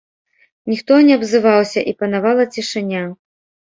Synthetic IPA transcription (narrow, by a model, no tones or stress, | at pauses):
nʲixt̪ɔnʲɛɐbzɨvawsʲɐʔipɐnavalˠɐt͡sʲiʂɨnʲa